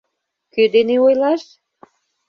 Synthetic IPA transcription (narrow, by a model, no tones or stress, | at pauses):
kød̪eneojlɑʃ